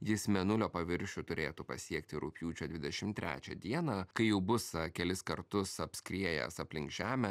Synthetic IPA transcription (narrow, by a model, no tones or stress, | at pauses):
jɪsmʲɛnʊlʲoːpɐʋʲɪɾʲʃʲut̪ʊɾʲʔeːt̪upɐsʲiɛk̚t̪ʲɪɾʊpʲjuːt͡ʃʲoːd̪ʲʋʲɪd̪ʲɛʃʲɪmt̪ʲɾʲʔæ̰ːt͡ʃʲɛ̰d̪ʲiɛnɐkɐɪjɛʊbʊsɐkʲɛlʲɪskɐɾt̪ʊsɐpʲsʲkʲɾʲiɛjɛ̰sɐpʲlʲɪŋɡʒʲæːmʲɛ